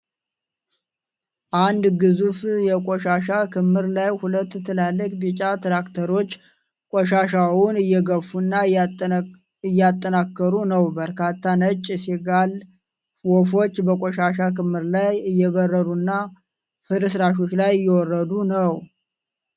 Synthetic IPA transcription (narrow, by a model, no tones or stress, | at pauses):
ʔand̪ɡɨzufjɛkʼoʃaʃakʰɨmːɨɾlajhulət̪ːt̪ʰːɨlalːəkʼbit͡ʃʼat̪ɾakt̪ʰəɾo̞t͡ʃː | kʼoʃaʃawʊnɨjɛɡəfunːa | ɨjːat̪ʼːənakːəɾunəwbəɾkʰat̪ʰːanət͡ʃʼːseɡal | wofo̞t͡ʃːbəkʼoʃaʃakɨmhɨɾlajɨjːɛβərːəɾunːa | fɨɾɨsɾaʃ̬o̞t͡ʃːlajjːɛwɔrːəd̪unəw